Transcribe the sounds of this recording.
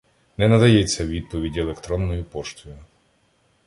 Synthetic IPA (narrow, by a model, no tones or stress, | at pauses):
nɛnɐd̪ɐjɛt͡sʲːɐʋʲid̪̚pɔʋʲidʲelˠekt̪ɾɔnːɔjʊpɔʃt̪ʊjʊ